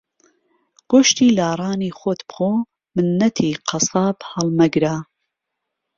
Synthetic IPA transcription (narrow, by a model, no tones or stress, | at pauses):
ɡ̥oʃt̪iːlaːrˤɑːniːxot̪bxoː | mɨnːɐt̪ʰiːqʰɑsɑːbhɐlˠmɐɡɾaː